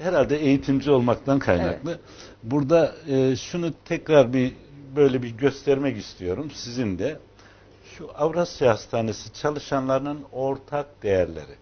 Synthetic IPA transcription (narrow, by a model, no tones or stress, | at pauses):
hɛɾalʲd̪ɛejit̪ʰimd͡ʒio̞lˠmakt̪ʰankʰajna̰klˠɯ | buɾd̪aɯːʃunut̪ʰɛcɾaɾbibø̞jlʲɛbiɾɟø̞st̪ʰɛɾmɛcist̪ʰijo̞ɾumsizind̪ɛ | ʃuʔavɾasijast̪ʰaːnesit͡ʃʰalˠɯʃanlˠaɾɯnɯno̞ɾt̪ʰak̚d̪e̞jæɾlʲḛɾi